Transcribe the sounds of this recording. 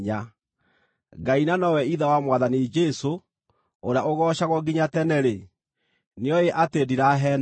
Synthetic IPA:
ɲa | ɡainanɔwɛiðawamwaðanid͡ʒɛso | oɾeaoɣɔːɕaɣɔɡiɲatɛnɛɾe | neɔjeʔatediɾaɦɛn

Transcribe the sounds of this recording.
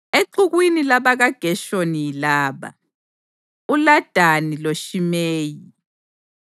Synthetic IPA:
eǀuɣwinilaβaɣaɡ̥ʱɛʃonijilaːβa̰ | ulad̥ʱaniloʃimeːji

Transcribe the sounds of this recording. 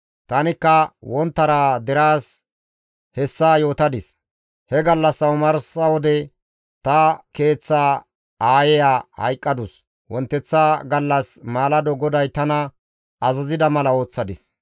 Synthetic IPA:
t̪ɐnɪkːɐwɔnt̪ːɐɾaːd̪ɛɾaːs | hɛsːaːjo̞ːt̪ɐd̪ɪs | hɛɡɐlːɐsːɐwmɐɾsɐwɔd̪ɛ | t̪ɐke̞ːt͡sːaː | aːjɛjaːhɐ̰jkʼːɐd̪ʊs | wɔnt̪ːɛt͡sːaɡɐlːɐsmaːlɐd̪ɔɡɔd̪ɐjt̪ɐnɐ | ɐzɐzɪd̪ɐmɐlɐo̞ːt͡sːɐd̪ɪs

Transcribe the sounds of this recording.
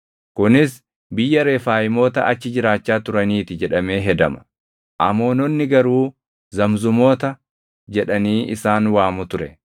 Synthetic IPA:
kʊnɪs | bɪjːɐɾe̞ːfaːjɪmo̞ːt̪ɐʔɐt͡ʃːɪd͡ʒɪɾaːt͡ʃːaːt̪ʊɾɐniːt̪ɪd͡ʒɛᶑɐme̞ːɦɛd̪ɐmɐ̥ | ʔɐmo̞ːnɔnːɪɡɐɾuː | zɐmzʊmo̞ːt̪ɐ | d͡ʒɛᶑɐniːʔɪsaːnwaːmʊt̪ʊɾɛ

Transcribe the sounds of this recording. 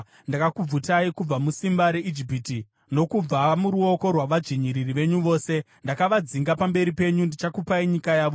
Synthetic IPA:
ndakakub͡vutaikub͡vamusimbaɾe̞ʔid͡ʒipiːti | no̞kub͡vamuɾuo̞ko̞rwaʋad͡ʒiɲiɾiriʋe̞ɲuʋo̞ːse̞ | ndakaʋad͡ziŋɡapambe̞ɾipe̞ɲundit͡ʃakupaiɲikajaːʋo

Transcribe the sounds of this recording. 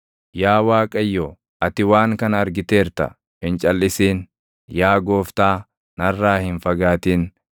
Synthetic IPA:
jaːwaːkʼɐjːoː | ʔɐt̪ɪwaːŋkɐnɐɾɡɪt̪eːɾt̪ɐ̰ | hɪnt͡ʃʼɐlːɪsiːn | jaːɡoːft̪aː | nɐrːaːhɪnfɐɡaːt̪iːn

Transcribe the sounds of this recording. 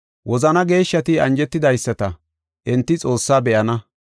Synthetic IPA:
wʔɔzɐnɐɡe̞ːʃːɐt̪ɪɐnd͡ʒɛt̪ːɪd̪ɐjsːɐt̪ɐ | ʔɪnt̪ːɪt͡sʼo̞ːsːaːbɛʔɐnɐ

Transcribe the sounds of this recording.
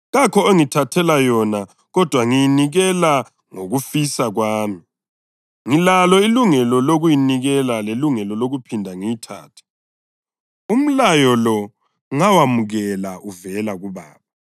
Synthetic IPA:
ɣakʰɔoŋitʰatʰɛlajɔna | ɣɔd̥ʱwaŋijiniɣɛla | ŋoɣufisaɣwaːmi | ŋilalɔiluŋɛlɔloɣujiniɣɛlaleluŋɛlɔloɣupʰindʱaŋijitʰa̰ːtʰɛ̥ | um̩lajɔlɔ | ŋawamuɣɛlaʔuvɛlaɣuβa̰ːβa

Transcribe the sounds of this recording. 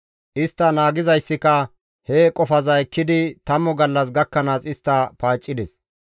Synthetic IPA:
ʔɪst̪ːɐnaːɡɪzɐjsːɪkɐ | hekʼɔfɐzɐɛkːɪd̪ɪt̪ɐmːɔɡɐlːɐsɡɐkːɐnaːsɪst̪ːɐpaːt͡ʃʼːɪd̪ɛs

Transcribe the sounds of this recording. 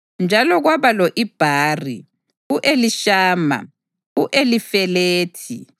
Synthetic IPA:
nd͡ʒʱalɔɣwaβalɔʔib̥ʱaːrḭ | uʔeliʃaːma̰ | uʔelifɛleːtʰi

